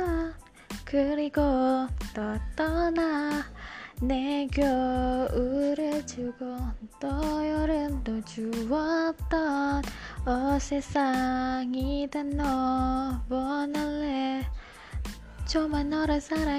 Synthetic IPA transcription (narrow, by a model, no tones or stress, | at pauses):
kɯɾiɡotʌt͈ʌna | neɡjʌ | ɯɾɯɭt͡ɕɯɡot̪ʌjʌɾɯndot͡ɕuwʌt̪͈ʌnʌsesʰaŋidenːʌ | wʌnʌɭːe | t͡ɕomanːʌɾɯsʰaɾa